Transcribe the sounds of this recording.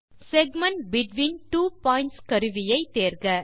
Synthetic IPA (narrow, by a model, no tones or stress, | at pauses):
sɛɡmɐ̃ɳʈbɪʈʋiːnʈuːpɔːɪ̃nʈskɐɾɯʋɪjɐɪt̪eːɾɡɐ